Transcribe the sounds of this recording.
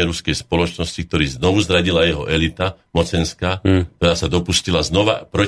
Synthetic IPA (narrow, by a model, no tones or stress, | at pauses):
ɛɾuskɛjspɔlɔt͡ʃnɔscik̚t̪ɔɾiːznɔʋuzɾaɟilajɛɦɔʔɛlit̪amɔt͡sɛnskaːkt̪ɔɾaːsad̪ɔpuscilaznɔʋapɾɔ